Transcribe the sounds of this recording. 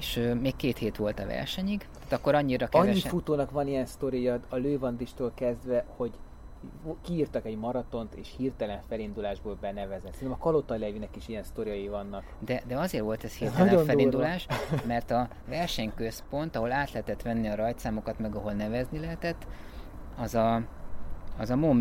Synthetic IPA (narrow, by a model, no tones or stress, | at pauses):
eʃømeːkːeːt̪heːt̪ʋo̞lt̪ɒvɛ̰rʃɛɲiɡt̪aːt̪ɒkːo̞ɾɒɲːiɾɒkɛɲɛːifut̪oːnɒkvɒnijɛnst̪o̞ɾijɒːløːvɒnd̪iʃt̪oːlkɛzd̪vɛho̞ɟ | kiːrt̪ɒkɛɟmɒɾɒt̪o̞nt̪ḛːʃhiːrt̪ɛlɛɱfɛlind̪ulaːʒboːlbɛnɛvɛzɛt̪sɛinɛmɒkɒlot̪ɒlɛvinɛkiʃiɛnst̪o̞ɾijɒjivɒnːɒkd̪ɛd̪ɛɒzeːrʋo̞lt̪ɛshiːrt̪ɛlɛfɛlind̪ulaːʃmɛrt̪ɒ | vɛrʃɛɲkø̞spo̞nt̪ɒɦo̞laːt̪lɛɦɛt̪ɛt̪ʋɛnːiɒɾɒjt̪saːmo̞kɒt̪mɛɡɒɦo̞lnɛvɛznilɛɦɛt̪ɛt̪ː | ɒzɒ | ɒzɒmom